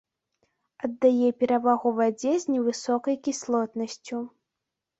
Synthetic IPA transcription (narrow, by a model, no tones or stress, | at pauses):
ɐd̪ːajɛpʲɛɾavaɣuvad͡zʲɛzʲnʲɛvɨsɔkɐjkʲislˠɔt̪nɐsʲt͡sʲu